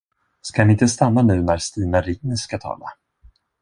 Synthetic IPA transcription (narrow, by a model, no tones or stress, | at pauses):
skanɪɪnt̪əst̪anːanʉ̟ːnæɾst̪iːnaɾɪnəskat̪ʰɑ̰ːla̰